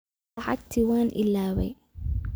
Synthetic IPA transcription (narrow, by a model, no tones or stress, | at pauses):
ħɑ̰kt̪ʰiwaːnʔɪ̰laːwɛ̰j